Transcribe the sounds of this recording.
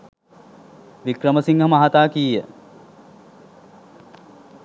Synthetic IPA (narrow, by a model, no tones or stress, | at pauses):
ʋikrəməsiŋɡɦəmaɦat̪aːkiːjə̰